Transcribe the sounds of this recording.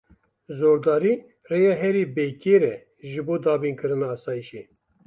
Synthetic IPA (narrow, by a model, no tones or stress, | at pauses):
zoːɾd̪ɑːɾiː | reːjɑːɦɛɾiːbeːkeːɾɛ | ʒɨboːd̪ɑːbiːnkʰɨɾɨnɑːsɑːjiʃe